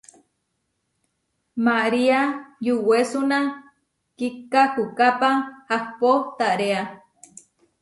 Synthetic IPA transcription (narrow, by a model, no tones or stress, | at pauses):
maɾiajuwesunã | kikahukapahahpot̪aɾea